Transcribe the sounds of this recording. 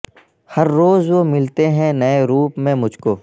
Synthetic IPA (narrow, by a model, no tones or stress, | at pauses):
hɐɾːoːzʋomɪlt̪eɦɛ̃nɐeɾuːpmẽmʊd͡ʒʱkoː